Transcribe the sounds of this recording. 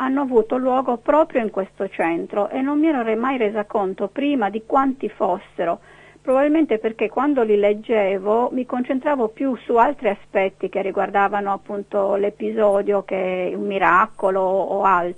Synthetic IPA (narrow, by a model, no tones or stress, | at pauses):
anːoavuːt̪olwɔːɡopɾɔːpɾjoiŋkwest̪ot͡ʃɛnt̪ɾoʔenːommiɛːɾorɛmajreːzakont̪opɾiːmad̪ikwant̪ifosːeɾo | pɾobabilment̪eperkekːwand̪oliled͡ʒːeːvomikont͡ʃent̪ɾaːvopjusualt̪ɾiaspɛt̪ːikerːiɡward̪aːvanoapːunt̪olepizɔːd̪jok̟eummːiɾakoloːalt̪